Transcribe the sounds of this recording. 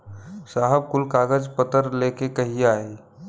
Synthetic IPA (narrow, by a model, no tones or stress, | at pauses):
saːɦəb̚kʊlkaːɡəd͡ʒpət̪əɾleːkekəɦiaːi